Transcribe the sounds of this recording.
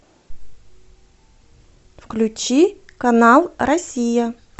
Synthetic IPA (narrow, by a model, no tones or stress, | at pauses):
fklʲʉt͡ɕikɐnalˠɾɐsʲijə